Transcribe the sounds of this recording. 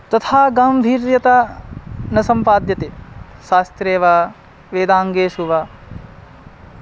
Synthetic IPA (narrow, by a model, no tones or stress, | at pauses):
t̪ɐt̪ʰaːɡaːmbʱiːɾjɐt̪a | nɐsɐmpaːd̪jɐt̪eʃaːst̪ɾeːʋaː | ʋeːd̪aːŋɡeːsuʋaː